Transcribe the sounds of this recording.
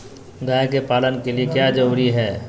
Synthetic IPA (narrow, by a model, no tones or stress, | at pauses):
ɡaːjkepaːlənkeliekjaːd͡ʒəɾuːɾiɦɛː